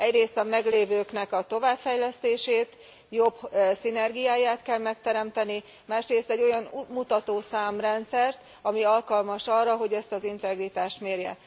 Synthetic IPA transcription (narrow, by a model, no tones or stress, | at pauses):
ɛɟreːst̪ɒmɛɡleːvøːknɛkɒt̪o̞vaːpfɛjlɛst̪eːʃeːt̪ | jo̞bsinɛrɡijaːjaːt̪kɛlmɛkt̪ɛɾɛmt̪ɛni | maːʃreːst̪ɛɟːo̞jɒnmut̪ɒt̪oːsaːmrɛnt̪sɛrt̪ | ɒmiɒlkɒlmɒʃɒrːɒɦo̞ɟɛst̪ɒzint̪ɛɡrit̪aːʃt̪meːrjɛ̰